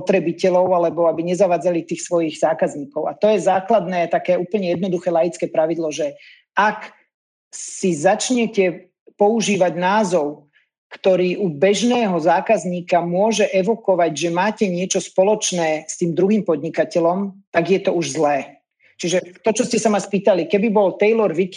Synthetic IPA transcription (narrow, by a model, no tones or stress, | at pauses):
pɔt̪ɾɛbicɛlɔʊalɛbɔabiɲɛzaʋaːd͡zalit̪iːxsʋɔjiɣzaːkazɲiːkɔʊat̪ɔjɛzaːklad̪nɛːat̪akɛːuːpl̩ɲɛjɛd̪nɔd̪uxɛːlajit͡skɛːpɾaʋid̪lɔʒɛ | ak | sizat͡ʃɲɛcɛ | pɔuʒiːʋaɟnaːzɔʊ | kt̪ɔɾiːʔubɛʒnɛːɦɔzaːkazɲiːkamʊɔʒɛʔɛʋɔkɔʋaɟʒɛmaːcɛɲɪɛt͡ʃɔspɔlɔt͡ʃnɛːst̪iːmd̪ɾuɦiːmpɔd̪ɲikacɛlɔmt̪aɡjɛt̪ɔuʒzlɛː | t͡ʃiʒɛt̪ɔt͡ʃɔscɛsamaspiːt̪alikɛbibɔlt̪ɛjlɔɾʋik